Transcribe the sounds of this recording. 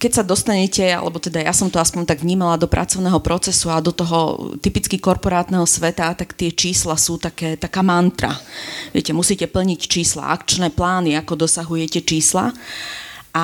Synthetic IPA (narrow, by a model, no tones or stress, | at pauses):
kɛcsad̪ɔst̪aɲɛcɛa̰lɛ̰bɔt̪ɛd̪ajasɔmt̪ɔaspɔɲt̪aɡʋɲiːmalad̪ɔpɾʔa̰t͡sɔʊnɛɦɔpɾɔt͡sɛsuad̪ɔt̪ɔɦɔ̰t̪ipit͡skikɔɾpɔɾaːt̪nɛɦɔsʋɛt̪at̪akt̪ɪɛt͡ʃiːslasuːt̪akɛːt̪akaːmant̪ɾa̰ʋɪɛcɛmusiːcɛpl̩ɲict͡ʃiːsla̰ʔa̰kt͡ʃnɛːplaːniakɔd̪ɔsaɦujɛcɛt͡ʃiːsla̰ | ʔa